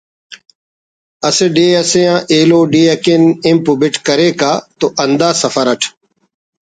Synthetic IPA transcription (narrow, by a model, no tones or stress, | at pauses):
ɐseɖeːɐsẽjãːʔeːloːɖeːɐkeːnɪmpubɪʈkɐɾeːkaːt̪oːʔɐnd̪aːsɐfəɾɐʈʰ